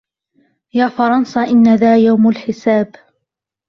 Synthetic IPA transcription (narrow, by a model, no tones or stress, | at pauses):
jaːfɑɾˤɑnsaʔɪnːaðaːjawmalħɪsaːb